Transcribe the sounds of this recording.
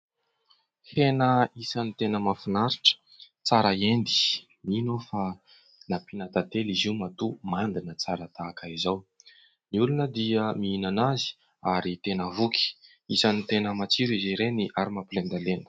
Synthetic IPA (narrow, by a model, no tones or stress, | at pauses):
henəisənit̪enəmafinaɾiʈ͡ʂə̥ | t͡saɾəend̪i̥ | minofa | napinat̪at̪elizimat̪umand̪inət͡saɾət̪aːkaizaw | miulunəd̪iəmiinanazi̥ | aɾit̪enəvukʰi̥ | isənit̪enəmat͡siɾiziɾeniʔaɾimapilend̪alenə̥